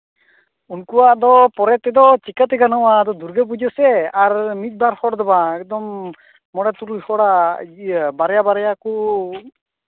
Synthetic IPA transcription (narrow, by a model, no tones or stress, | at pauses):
unkuwad̪ɔpɔɾɛt̪ɛd̪ɔt͡ʃikat̪ɛɡanɔwad̪ɔd̪uɾɡɛp̬ud͡ʒəsɛaɾmit̪̚ˀbaɾhɔɽd̪ɔbaɛk̚d̪ɔmː | ɔɽɛt̪uɾlihɔɽa | baɾɛjabaɾɛjaku